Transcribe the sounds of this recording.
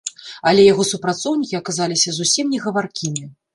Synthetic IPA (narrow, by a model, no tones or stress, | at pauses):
ɐlʲɛjaɣɔsupɾat̪sɔwnʲikʲiɐkazalʲisʲɐzusʲimnʲɛɣɐvarkʲimʲi